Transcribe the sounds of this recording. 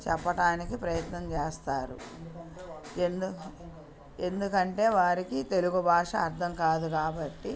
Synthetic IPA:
t͡ʃɛpːɐʈaːnikipɾɐjɐt̪nɐmt͡ʃeːst̪aːɾṵ | end̪u | e̞nd̪ukɐɳʈe̞ːʋaːɾikit̪e̞luɡubʱaːʂɐːɾt̪ʰɐmkaːd̪ukaːbɐʈːi

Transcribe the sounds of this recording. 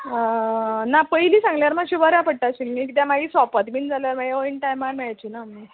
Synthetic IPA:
napəjliːsãŋɡljaɾmaɡɕibəɾjapəɽ̚ʈaɕiːlmiːkit̪jamaɡiːsɔpət̪miːnd͡zaljaɾmaɡioinʈajmaɽmɛɭajt͡ɕiːnami

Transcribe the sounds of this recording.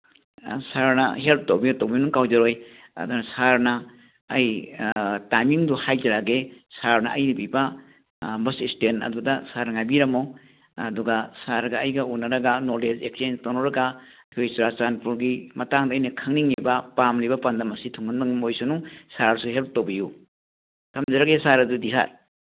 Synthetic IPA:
saɾnɐ̰help̚ʰtowbiatowbinuŋkawd͡ʒaɾojɐ̰dunɐsaɾnɐː | j | tajmiŋduhajtaɾaɡesaɾnɐ̰ʔɐjnibiba | bɐsistenɐ̰dudasaɾŋajbiɾɐmow | ɐduɡasaɾɡɐɐjɡɐunːɐɾɐɡanoɾded͡ʒek̚senstonɔɾɐɡa | ɐkʰojsɾat͡ʃanpuɾɡimɐtaŋdaːjnɐkʰɐŋniŋlibapamlibɐpɐndɐmɐsitʰuŋɡɯndaŋmojsunusaɾsuɦelp̚towbiju | tʰɐmzɐɾaɡesaɾɐdudisa̰ɾ

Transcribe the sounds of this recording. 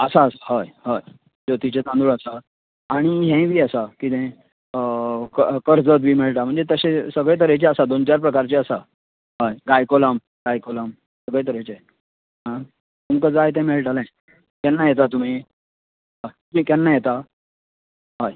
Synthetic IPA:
əsaəsaɦajɦaj | d͡zot̪it͡ɕet̪ãnd̪uɭəsa | aɽ̃iɦɛ̃ʋiːəsakit̪ɛ̃ | kəkəɾd͡zət̪ʋiːmiɭʈam̤əɳd͡zet̪əɕẽsəɡɭẽt̪̬əɾet͡ɕeəsad̪ont͡ɕaɾpɾəkaɾt͡ɕeəsa | ɦajɡajkolam | ɡajkolam | səɡɭẽt̪əɾet͡ɕe | ɦã | t̪umkəd͡zajt̪ɛ̃meɭʈalã | k̪ɛnːajet̪̬at̪um̤i | ɦauikjɛnːajet̪a | ɦaj

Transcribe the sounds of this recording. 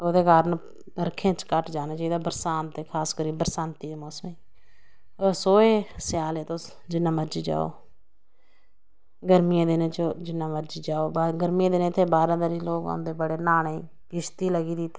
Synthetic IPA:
od̪eːkaːɾən | əɾkʰẽːt͡ʃkəʈd͡ʒaːnaːt͡ʃaːiːd̪aːbəɾsaːnt̪eːkʰaːskəɾiːbəɾsãːnt̪iːeːmɔːsmẽ | oːsoːeːsɪjaːleːt̪o | d͡ʒɪnːãːməɾd͡ʒiːd͡ʒa̰ːo̰ː | ɡəɾmijãːd̪enẽt͡ʃd͡ʒɪnːãːməɾd͡ʒiːd͡ʒaːoːbɡəɾmijãːd̪eneːt̪ʰːeːbaːɾãːd̪əɾiːloːkːnd̪eːbəɽeːnaːne | kɪʃt̪iːləɡiːd̪it̪ʰːeː

